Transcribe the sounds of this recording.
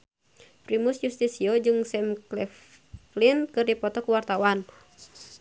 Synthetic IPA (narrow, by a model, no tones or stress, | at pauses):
pɾimusjust̪isiɔd͡ʒɨŋsɛmklɛf | linkɨrdipɔt̪ɔkuwart̪awan